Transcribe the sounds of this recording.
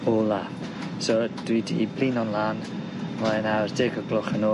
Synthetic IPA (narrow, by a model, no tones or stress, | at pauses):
olˠa | sod̥wiːdḭbliːnɔnlˠaːn | maɛnardɪɡɔɡlɔχənoː